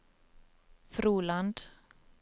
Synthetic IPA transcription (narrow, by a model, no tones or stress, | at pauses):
fɾuːland̪